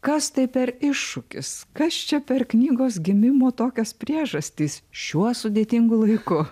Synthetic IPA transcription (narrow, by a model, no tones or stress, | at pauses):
kɐst̪ɐɪpʲɛɾɪʃːʊkʲɪ̰skɐst͡ʃʲɛpʲɛrknʲiːɡoːsɡʲɪmʲɪmoːt̪oːkʲɛspʲɾʲiɛʒɐsʲt̪ʲiːsʃʲuɔsʊd̪ʲeːt̪ʲɪŋɡʊlˠɐɪkʊ